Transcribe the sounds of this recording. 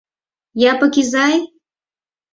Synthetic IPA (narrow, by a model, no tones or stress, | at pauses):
japə̆kizɑj